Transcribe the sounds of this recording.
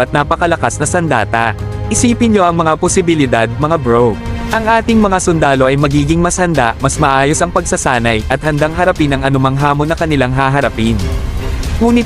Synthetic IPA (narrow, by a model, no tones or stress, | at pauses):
ʔɐt̪̚naːpɐkɐlɐkasnɐsɐnd̪a̰ːt̪ɐ | ʔɪsiːpɪnɲo̞ʔɐŋmɐŋaposɪbɪlɪd̪ad̪̚mɐŋabɾowɡ̚ʔɐŋʔaːt̪ɪŋmɐŋasʊnd̪aːlo̞ʔɐjmɐɡiːɡɪŋmɐshɐnd̪aʔmɐsmɐʔaːjo̞sɐŋpɐɡsɐsaːnɐjʔɐt̪̚hɐnd̪aŋɦɐɾɐpinɐŋʔɐnʊmaŋɦaːmonːɐkɐnɪlaŋɦaːɦɐɾɐpɪn | ŋuːnɪ